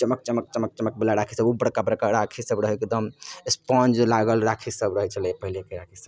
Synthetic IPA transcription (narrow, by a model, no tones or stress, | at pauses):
t͡ʃəmək̚t͡ʃəmək̚t͡ʃəmək̚t͡ʃəmək̚belaɾakʰisəbubəɽkabəɾkaɾakʰisəbɾəɦɛekd̪əmespɔ̃nd͡ʒlaɡəlɾakʰisəbɾəɦɛt͡ʃʰəlepəɦilekeɾakʰisəb